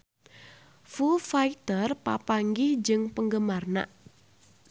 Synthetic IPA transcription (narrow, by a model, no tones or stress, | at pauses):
fufait̪ərpa̰paŋɡɪhd͡ʒɨŋpəŋɡəmarna̰ʔ